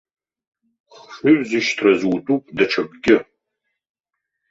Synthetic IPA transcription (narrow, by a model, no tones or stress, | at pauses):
χfɨɥʷzɨʃtʰrɐzwtʼuːpʼdɐt͡ʃʰɐbɡʲɪ